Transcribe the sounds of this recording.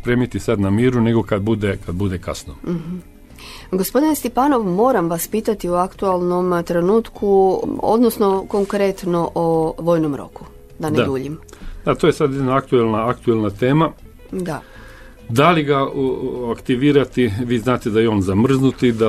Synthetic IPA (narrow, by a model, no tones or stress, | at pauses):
pɾe̞ːmit̪isad̪namiːɾune̞ɡokad̪̚bud̪ekad̪bud̪ekasnoɦ̩ | ɡospo̞d̪inst̪ipaːno̞ʋmo̞ːɾamʋaspiːt̪at̪ioakt̪ualˠno̞mt̪ɾenuːt̪kʰuo̰d̪nosno̞ko̞ŋkɾet̪no̞ʔoʋo̞ːjnomɾo̞̰ku̥ | d̪aned̪uːʎimd̪̥at̪oːjesad̪jed̪naakt̪uelnaakt̪uelnat̪eːma | d̪a | d̪aliɡaakt̪iʋiːɾat̪iʋiːznaːt̪ed̪ajeo̞ːnzamr̩znut̪id̪a